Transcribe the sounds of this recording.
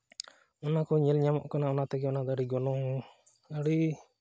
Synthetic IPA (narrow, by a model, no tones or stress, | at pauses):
ɔnakɔɲɛlɲamɔ̰ʔkanaɔnat̪ɛɡɛɔnad̪ɔaɽiɡɔnɔŋ | əɽi